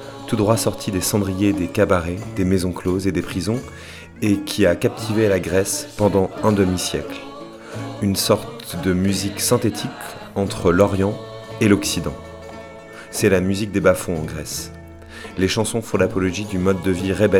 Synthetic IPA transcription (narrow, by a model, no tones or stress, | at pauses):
t̪ud̪ʁwasɔʁt̪ʰid̪esɑ̃d̪ʁijed̪ekabaʁed̪emezɔ̃klozed̪epχizɔ̃ | ekʲʰiakap̚t̪ʰivelaɡʁɛspɑ̃d̪ɑ̃ɛ̃d̪əmisjɛkl | ynsɔʁt̪d̪əmyziksɛ̃t̪et̪ʰik | ɑ̃t̪χəlɔʁjɑ̃elɔksid̪ɑ̃ | ɛlamyzik̚d̪ebafɔ̃ɑ̃ɡʁɛs | leʃɑ̃sɔ̃fɔ̃d̪apɔlɔʒid̪ymɔd̪ːəviʁebɛ